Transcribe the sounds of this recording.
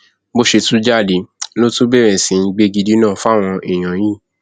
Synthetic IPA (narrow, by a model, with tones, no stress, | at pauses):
bo˦ʃe˧tũ˦d͡ʒa˦˨di˨lo˦tũ˦bɛ˦˨ɾɛ˨sĩ˨˧ĩ˧ɡ͡be˦ɡi˧di˦nãː˦˨fa˦˨w̃ɔ̃˧i˨j̃ã˨jĩː˦˨